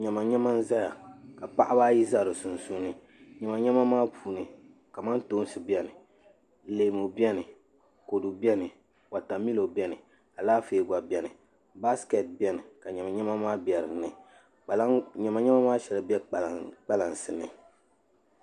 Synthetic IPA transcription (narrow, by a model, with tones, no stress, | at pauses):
ɲɛ˨ma˨ɲɛ˦ma˦n̩˦za˦ja˨ka˨pa˦ʔa˦baː˦ji˦za˦˨ɾɨ˨su˨n̩˨su˦nɨ˨ | ɲɛ˨ma˨ɲɛ˦ma˦maː˦pʰuː˨nɨ˨ | ka˨ma˦nto˦n˦sɨ˨bɛ˦nɨ˨ | le˨mo˨bɛ˦nɨ˨ | ko˨du˨bɛ˦nɨ˨ | wa˨ta˨mi˦lo˨bɛ˦nɨ˨ | a˨laː˦feː˨ɡa˨bɛ˦nɨ˨ | ba˦skɛ˨t̚bɛ˦nɨ˨ka˨ɲɛ˨ma˨ɲɛ˦ma˦maː˦bɛ˨ɾɨ˨nɨ˨˦ | ɲɛ˨ma˨ɲɛ˦ma˦maː˦ʃɛ˨lɨ˨bɛ˦k͡pk͡pa˦la˨nsɨ˨nɨ̰˨